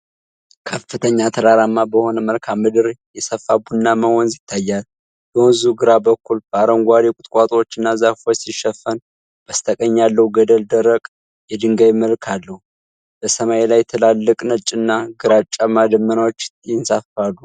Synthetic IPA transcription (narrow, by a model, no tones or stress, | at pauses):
kʰəfːɨt̪ʰəɲːat̪ʰəlaɾamːabəho̞nəməlkʰamːɨd̪ɨɾjɛsəfːabunːaməhɔnzɪt̪ʰːajːal | b̥əwɨzuɡɨɾabəkːulb̥əaɾəŋɡʷad̪ekʷʼʊt̪ʼkʼat̪ʼwot͡ʃːɨnːazafosiʃːəfːən | b̥əst̪ʰəkʼəɲːalːəhuɡəd̪əld̪əɾəkʼ | jɛd̪ɨŋɡəβməlkʰalːəhu | b̥əsəmajlajt̪ʰɨlalːəkʼnət͡ʃʼɨnːaɡɨɾat͡ʃʼːamad̪əmːənawot͡ʃːjɪnsafalːu